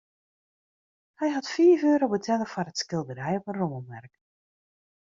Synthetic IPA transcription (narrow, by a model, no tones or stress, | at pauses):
hɛjɦɑtfiːføːɾobətʰɛləfɔrətskɪlˠdəɾɛjɔpənroməlˠʋɛrk